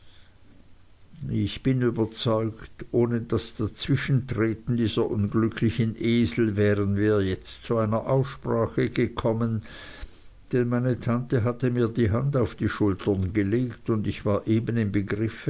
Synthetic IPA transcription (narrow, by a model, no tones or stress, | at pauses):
ɪçb̥ɪnyːbɐt͡sɔʏktʔoːnədasd̥at͡sv̥ɪʃn̩tʁ̥eːtn̩diːz̥ɐʔʊnɡlʏkʰlɪçənʔeːzl̩vɛːʁənviːɐjɛt͡stt͡suaɪnɐʔaʊsʃpʁ̥aːxəɡəkʰɔmən | d̥ɛnmaɪnətʰantəɦatəmiːɐdiːɦandaʊfd̥iːʃʊltɐnɡəleːktʊndɪçv̥aːɐʔeːbənɪmbəɡʁɪf